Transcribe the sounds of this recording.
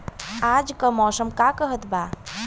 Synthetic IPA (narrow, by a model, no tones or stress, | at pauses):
ad͡ʒkəmɔsəmkakəɦət̪ba